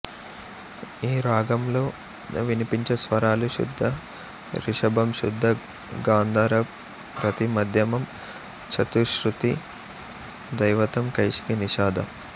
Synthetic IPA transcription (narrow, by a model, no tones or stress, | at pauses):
iːɾaːɡɐmlo̞ː | ʋinipiɲt͡ʃɐsʋɐɾaːluʃṵd̪ʱːɐ | ɾiʃɐbʱɐmʃud̪ʱːɐ | ɡaːnd̪ʱɐɾɐ | pɾɐt̪imɐd̪ʱjɐmɐm | t͡ʃʰɐt̪uʃɾut̪i | d̪ɐjʋɐt̪ɐmkɐjʃi̥kiniʃaːd̪ʱɐ̰m